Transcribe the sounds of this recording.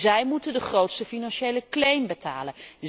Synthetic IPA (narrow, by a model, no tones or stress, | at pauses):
zɛjmutəndəχrowtstəfinɑnʃejləklejmbətaːlən